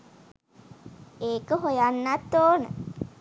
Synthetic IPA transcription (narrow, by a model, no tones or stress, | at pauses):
eːkəɦojanːat̪ːoːnə̰